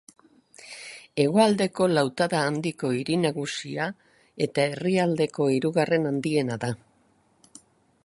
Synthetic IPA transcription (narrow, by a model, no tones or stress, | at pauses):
e̞ɣ̞o̞ald̪e̞ko̞lawt̪aðaːnd̪iko̞iɾinaɣusia | e̞t̪ae̞riald̪e̞ko̞iɾuɣare̞nand̪ie̞naða